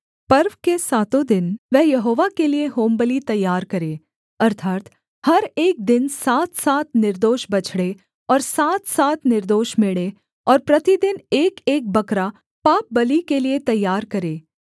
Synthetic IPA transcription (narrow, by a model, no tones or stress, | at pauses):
pɐɾʋkesaːt̪õd̪ɪnʋɛɦjɐɦoːʋakelieɦoːmbəlit̪ɐjːaːɾkɐɾeː | ɐɾt̪ʰaːt̪ | hɐɾeːk̚d̪ɪnsaːt̪ʰsaːt̪̚ʰnɪɾd̪oːʃbɐt͡ʃʰɽe | ɔːɾsaːt̪ʰsaːt̪ʰnɪɾd̪oːʃmeɭe | ɔːɾpɾɐt̪id̪ɪneːkeːk̚bɐkɾa | paːp̚bɐlikeliet̪ɐjːaːɾkɐɾeː